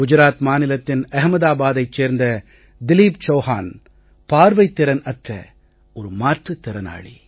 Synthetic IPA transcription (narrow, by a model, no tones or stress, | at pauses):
ɡ̥ʊd͡ʒʊɾaːt̪maːnɪlɐt̪ːɪnɐɦmɐðaːbaːðɐɪt͡ʃːeːɾnd̪ɐ | d̪ɪliːp̚t͡ʃoːhaːn | paːɾʋɐɪt̪ːɪɾɐnɐʈrɐ̰ | ɔɾɯmaːʈrɯt̪ːɪɾɐna̰ːɭḭ